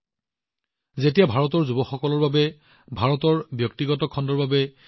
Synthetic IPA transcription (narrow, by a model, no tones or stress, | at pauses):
zetijabʱaɹɔtɔɹzubɔxɔkɔlɔɹbabɛ | bʱaɹɔtɔɹbjɔk̚tiɡɔtɔkʰɔndɔɹbabɛ